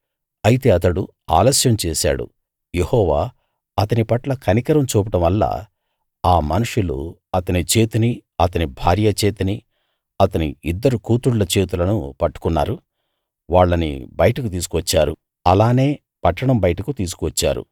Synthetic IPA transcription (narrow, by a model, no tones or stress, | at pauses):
ɐjit̪e̞ːɐt̪ɐɽu | a̰ːlɐsjɐmt͡ʃeːsa̰ːɽṵ | jehɔːʋaː | ɐt̪ɐnipɐʈlɐkʰɐnikɐɾɐmt͡ʃuːpɐʈɐmʋɐlːa̰ː | aːmɐnuʂulṵɐt̪ɐnit͡ʃeːt̪iniɐt̪ɐnibʱa̰ːɾjɐt͡ʃeːt̪ɐni | ɐt̪ɐniid̪ːɐɾukuːt̪uɽlɐt͡ʃe̞ːt̪̬ulɐnupɐʈːu̥kunːa̰ːɾu | ʋaːɭːɐnḭbɐjɐʈɐkut̪iːs̬u̥kuʋɐt͡ʃːaːɾṵ | ɐlaːne̞ː | pɐʈːɐɽɐmbɐjɐʈɐkut̪iːs̬u̥kuʋɐt͡ʃːa̰ːɾṵ